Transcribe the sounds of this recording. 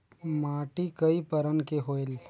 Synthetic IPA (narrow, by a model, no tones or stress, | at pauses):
maːʈikəipəɾənkeɦoːel